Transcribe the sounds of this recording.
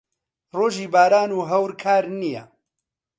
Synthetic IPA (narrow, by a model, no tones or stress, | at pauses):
roːʒiːbaːɾaːnuːɦɐwɾkʰaːɾnijɛ̰